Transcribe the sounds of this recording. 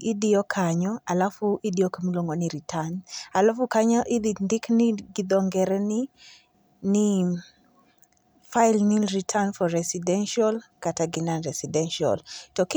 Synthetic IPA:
idiɔkʰaɲɔalafuʔidiɔkamiloŋɡɔniɾitʰanalɔfukaɲaʔid̪indikniɡid̪ɔŋɡɛɾɛni | ni | failniɾitʰanfɔɾɛsidɛnʃɔlkataɡinanɾɛsidɛnʃiɔ̰ltɔk

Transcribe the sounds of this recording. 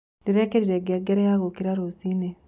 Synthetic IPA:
niɾekeɾiɾeɡeɡeɾejaɣokiɾaɾosine

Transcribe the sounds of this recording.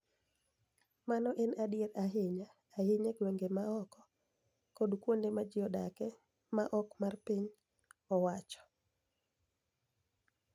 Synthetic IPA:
manɔʔɛnadɪeɾaɦɪɲaː | hɪɲeɡweŋɡemaɔkɔ | kodkwondemad͡ʒɪɔda̰kɛ | maʔɔkmarpiɲ | ɔwat͡ʃɔ̥

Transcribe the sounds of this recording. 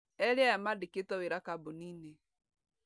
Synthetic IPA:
ɛɾeajamadeketɔweɾakabonine

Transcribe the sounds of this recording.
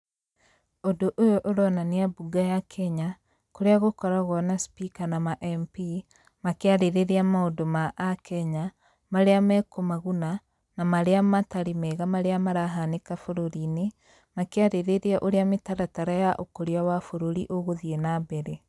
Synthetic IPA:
odoʔojoʔoɾɔnaneabuɡajakʰɛɲa | koɾeaɣokɔɾaɣɔnaspikanamaʔɛmpi | makeaɾeɾeɾeamaodomaʔakʰɛɲa | maɾeamɛkomaɣuna | namaɾeamataɾimɛɣamaɾeamaɾaɦanekafoɾoɾine | makeaɾeɾeɾeaʔoɾeametaɾataɾajaʔokoɾiawafoɾoɾiʔoɣoðienabɛɾe

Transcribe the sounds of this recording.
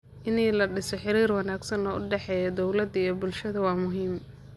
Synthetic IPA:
ʔɪniːlɐɖɪsɔħɪɾiːrwɑnaːɡsɐnɔʔʊɖɛħɛːjɔd̪ɔwlɐd̪ɐijɔbʊlʃɐðɐwɑːmʊɦiːm

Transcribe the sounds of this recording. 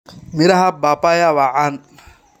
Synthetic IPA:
miɾahabapʼajawaʔan

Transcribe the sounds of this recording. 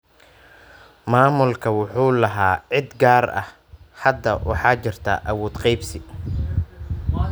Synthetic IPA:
maːmʊlkʰɐwɑħuːlɐɦaːʕɪd̪ɡaːrɐ̰h | hɐd̪ːɐwʔɑ̰ħɑːt͡ʃɪrt̪ʰa̰ːʔɐwɔːd̪qɑjbsɪ

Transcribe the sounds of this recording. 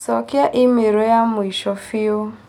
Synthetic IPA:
sɔkjaʔimeɾojamʊiʃɔfio

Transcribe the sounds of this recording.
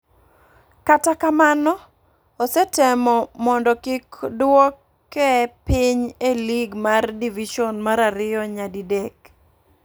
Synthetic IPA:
katakamanɔː | sɛtɛmɔmɔndɔkɪkdwɔkː | ɛpɪɲeliɡmardiviʃɔnmaɾaɾɪjɔɲadidek

